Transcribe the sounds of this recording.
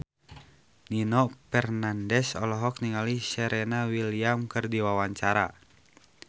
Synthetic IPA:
ninɔpɛrnandɛsɔlɔɦɔk̚niŋalisɛɾɛnawiliamkɨrdiwawaɲt͡ʃaɾa̰

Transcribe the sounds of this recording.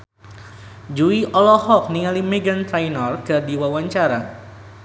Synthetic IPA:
d͡ʒuiʔɔlɔhɔk̚niŋalimɛɡant̪ɾajnɔrkɨrdiwawaɲt͡ʃaɾa

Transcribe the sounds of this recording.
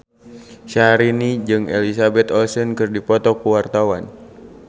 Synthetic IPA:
ʃaɾinid͡ʒɨŋɛ̰lisabɛt̪ɔlsɔnkɨrdipɔt̪ɔkuwart̪awan

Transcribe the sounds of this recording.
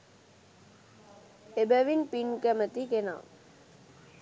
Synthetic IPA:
ebæʋinpinkæmət̪ikena̰ːŋ

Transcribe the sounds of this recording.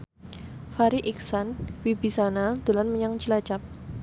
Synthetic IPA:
faɾiʔiksanwibisanad̪̥o̤lanməɲaŋt͡ʃilat͡ʃap̚

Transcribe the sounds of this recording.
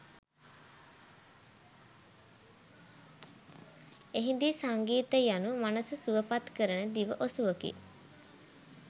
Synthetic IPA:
eɦind̪isaŋɡiːt̪əjanumanəsəsuʋəpat̪kəɾənəd̪iʋəʔosuʋəkḭ

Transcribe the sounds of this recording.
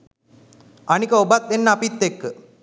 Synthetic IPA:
anikəobat̪̚ʋenːəapit̪ːekːə

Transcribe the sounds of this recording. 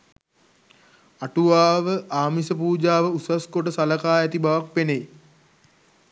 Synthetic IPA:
aʈuʋaːʋəʔaːmisəpuːd͡ʒaːʋəusaskoʈəsaləkaːjæt̪ibaʋak̚penej

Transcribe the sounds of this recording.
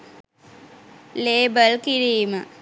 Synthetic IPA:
leːbəlkiɾiːmə

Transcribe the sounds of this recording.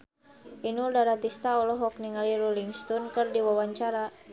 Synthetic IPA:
ʔinuldaɾat̪ist̪aɔlɔɦɔk̚niŋaliɾuliŋst̪ɔnkərdiwawaɲt͡ʃaɾa

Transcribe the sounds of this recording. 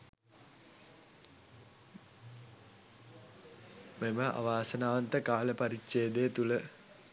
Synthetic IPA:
meməʔa̰ʋaːsənaːʋant̪əkaːləpaɾitːʃejːd̪ejət̪ulə

